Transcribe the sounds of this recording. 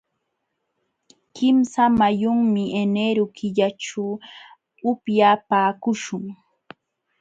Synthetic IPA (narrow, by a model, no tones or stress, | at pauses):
kɪmsamajʊŋmɪeneɾʊkʰɪʎaʈ͡ʂa | ʊpjaːpaːkʊʃʊŋ